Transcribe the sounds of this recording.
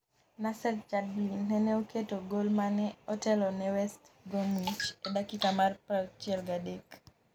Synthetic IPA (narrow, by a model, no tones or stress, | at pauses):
nasɛlt͡ʃad̚binɛnɛoketoɡolmanɛɔtɛlɔnɛwɛstɡomit͡ʃedakikamarpat͡ʃɛlɡadek